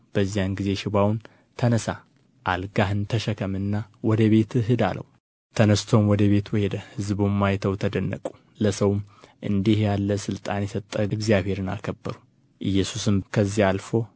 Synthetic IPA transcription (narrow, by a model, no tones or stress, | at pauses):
b̥əzːijanɡize̞ʃɪβawn | t̪ʰənəsa | ʔalɡaɦɨnt̪ʰəʃəkʰəmɨnːawɔd̪əβe̞t̪ɨɦɨd̪a̰lə̰wu | t̪ʰənəst̪ʰo̞mwɔd̪əβe̞t̪wɔhed̪əhɨzbumːajt̪ʰəwt̪ʰəd̪ənːə̰kʼu̥ | ləsəwmʔɨnd̪ihjalːəsɨlt̪ʼanjɛsət̪ʼːəɨɡzijaβhe̞ɾɨna̰kʰəbːəɾu | ʔɨjːɛsusɨmkʰəzːialfo̞